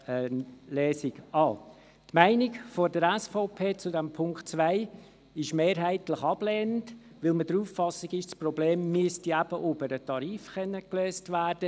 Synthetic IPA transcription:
lɛːsɪɡɑː | tmæɪnɪkfɔɾdəɾɛsfɔpʰeːt͡sʊdɛmpʰʊŋktt͡svʋæɪ | ɪʃmeːɾɦæɪtləχɑblɛːnət | ʋɪlməd̥ɾuːfːɑsiɡɪʃt͡sprɔbleːmːyəstiæb̥əʔʊbəɾətɑɾiːfχɛnːəkløːstvæːrd̥ə

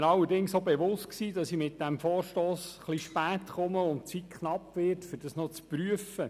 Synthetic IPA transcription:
nɑlːədɪŋsobeʋʊst̚ksiːdɑsimɪt̚d̥æmfoːɾʃtoːsχliʃpæːtχʊməʊntt͡sit̚kʰχnɑpːʋɪɾtfʏɾd̥ɑsnɔt͡spɾyəfə

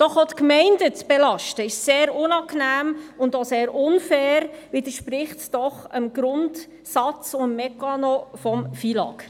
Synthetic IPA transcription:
d̥ɔχotkmɛɪndət͡sb̥ɛlɑʃtəɪʃseːɾʊnɑknæːmʊndoseːɾʔʊnfɛːɾʋɪd̪əɾʃpɾɪχtd̥ɔχəmɡɾʊnd | sɑt͡sʊəmːɛkɑnofɔmfiːlɑ̰k

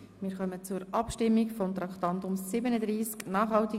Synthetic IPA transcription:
mɪːɾχœmət͡suɾʔɑpʃtɪmːikfɔmt̪ɾɑkχt̪ɑnt̪ʊmsɪbənəd̪ɾiːsknɑːχhɑlti

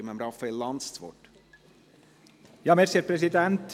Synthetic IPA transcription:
mɛmɾɑfəɪlːɑnd̪st̪ʋɔ̰ʈ | jɑːmeɾsiːəɾpʰɾɛsɪd̪ɛnt̪

